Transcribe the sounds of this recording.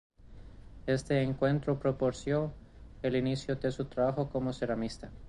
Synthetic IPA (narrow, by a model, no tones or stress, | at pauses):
e̞st̪e̞ːŋkwe̞nt̪ɾo̞pɾo̞po̞ɾsjo̞ | elinisjod̪esut̪ɾaβaxo̞ko̞mo̞selamist̪a